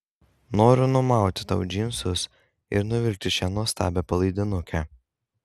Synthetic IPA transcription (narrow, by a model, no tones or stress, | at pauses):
noːɾʲʊnʊmɑˑʊt̪ʲɪ̥t̪ɐʊd͡ʒʲɪmʲsʊs | ɪ̰ɾnʊʋʲɪlʲk̚t̪ʲɪʃʲɛnuɔst̪ɑ̰ːbʲɛpɐlˠɐɪd̪ʲɪnʊkʲɛ